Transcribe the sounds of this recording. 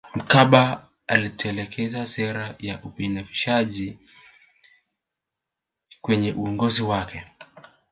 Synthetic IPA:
m̩kaɓa | alitʰɛlɛkʰɛzasɛɾajaʔupinafiʃaʄi | kwɛɲɛʔuɔŋɡɔziwakɛ

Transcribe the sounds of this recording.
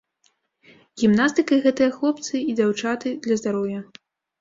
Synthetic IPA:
ɣʲimnast̪ɨkɐɣɛt̪ɨjɐxlˠɔpt̪sɨid͡z̪ʲawt͡ʂat̪ɨd̪lʲɐzd̪aɾɔwjɐ

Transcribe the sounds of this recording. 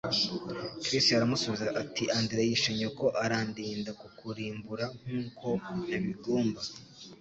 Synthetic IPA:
kɾisaɾamusoβizaʔatiʔandiɾajiʃiɲoko̞ʔaɾaːndiːndakukuɾiːmbuɾaŋ̥uːko̞naβiɡuːmba

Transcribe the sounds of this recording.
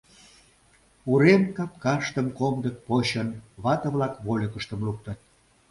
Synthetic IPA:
uɾemkɑp̚kɑʃt̪əmkomd̪ək̚poɕənβɑt̪əβlɑkβolʲəkəʃt̪əmluk̚t̪ə̆t̪̚

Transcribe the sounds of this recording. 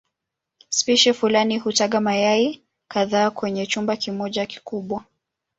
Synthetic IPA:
spiʃɛfulaniɦutaɠamajai | kaðaːkwɛɲɛt͡ʃumbakimɔʄaki̥kuɓwa

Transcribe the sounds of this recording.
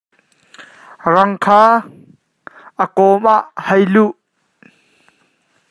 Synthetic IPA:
rɐŋkʰaː | əkɔmʔaʔhɐjluʔ

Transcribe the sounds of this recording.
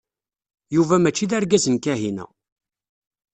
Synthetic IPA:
juvæmæt͡ʃːiðæɾɡæzənkæɦinæ̰

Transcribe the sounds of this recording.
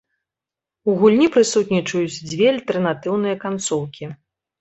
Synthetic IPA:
uɣulʲnʲipɾɨsut̪ʲnʲit͡ʂɐjut͡sʲd͡zʲvʲɛalʲt̪ɛrnat̪ɨwnɨjɐkant̪sɔwkʲi

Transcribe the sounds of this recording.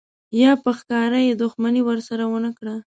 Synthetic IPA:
jɑpəxkɑɾajed̪ʊxmaniwəɾsaɾawənəkɽa

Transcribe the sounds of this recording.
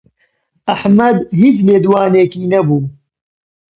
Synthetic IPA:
ʔɐħmɐd̪hiːt͡ʃleːd̪waːneːkiːnɐbuː

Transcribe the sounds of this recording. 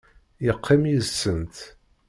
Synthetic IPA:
jəqʰːimjizsənt̪

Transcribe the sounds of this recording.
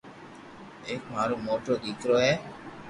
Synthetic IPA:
eːkmaːɾũːmoːʈoːɗ̪iːkɾoːɦɛː

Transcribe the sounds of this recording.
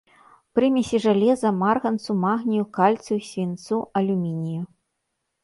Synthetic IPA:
pɾɨmʲɛsʲiʐalʲɛzɐmarɣɐnt̪sumaɣnʲijukalʲt̪susʲvʲint̪suɐlʲumʲinʲiju

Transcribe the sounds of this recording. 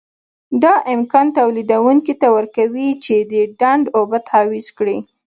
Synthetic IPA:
d̪ɑʔɪmkɑnt̪awlid̪awuŋkit̪awəɾkawit͡ʃed̪əɖaɳɖobat̪ɑwizkɽi

